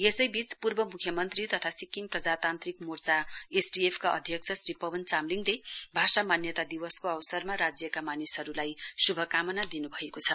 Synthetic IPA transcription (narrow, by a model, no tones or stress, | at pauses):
esʌjbit͡spurbʌmukʰjʌmʌnt̪rit̪ʌt̪ʰasikːiŋprʌd͡zat̪ant̪rikmurt͡saesʈiepʰkaʔʌd̪ʱjʌk̚t͡sʰʌsripʌbʱʌnt͡samliŋɡlebʱasamanjʌt̪ad̪iwʌskoʌwsʌrmaɾad͡zjʌkamanisɦʌɾulajsubʱʌkamʌnad̪inubʱʌekot͡sʰʌ